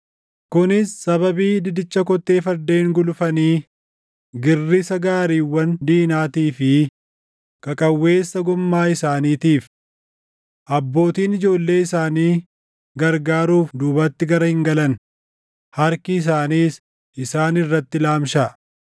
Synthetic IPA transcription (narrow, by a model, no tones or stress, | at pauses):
kʊnɪsːɐβɐbiːd̪ɪd̪ɪt͡ʃːɐkɔt̪ːe̞ːfɐɾd̪eːŋɡʊlʊfɐniː | ɡɪrːɪsɐɡaːɾiːwːɐnd̪iːnaːt̪iːfɪ | kʼɐkʼɐwːe̞ːsːɐɡʊmːaːɪsaːniːt̪iːf | ʔɐbːo̞ːt̪iːnɪd͡ʒo̞ːlːe̞ːɪsaːniː | ɡɐɾɡaːɾuːfd̪uːbɐt̪ːɪɡɐɾɐhɪŋɡɐlɐn | hɐɾkɪːs̬aːniːs | ʔɪsaːnɪrːɐt̪ːɪlaːmʃɐ